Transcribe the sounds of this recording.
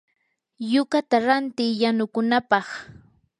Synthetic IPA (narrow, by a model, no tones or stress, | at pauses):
jʊkat̪aɾant̪ɪjanʊkʊnapɑχ